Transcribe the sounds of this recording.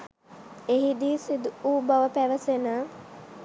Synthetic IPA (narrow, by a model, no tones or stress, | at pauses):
eɦid̪iːsid̪uuːbaʋəpæʋəsenə